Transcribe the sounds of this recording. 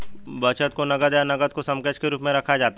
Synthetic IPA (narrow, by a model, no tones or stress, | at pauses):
bɐt͡ʃət̪konɐɡəd̪janɐɡəd̪̚kosɐ̃mkət͡ʃkeɾuːpmẽɾɐkʰad͡ʒaːt̪a